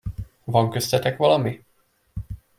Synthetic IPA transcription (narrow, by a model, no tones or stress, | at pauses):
vɒŋkøst̪ɛt̪ɛkʋɒlɒmi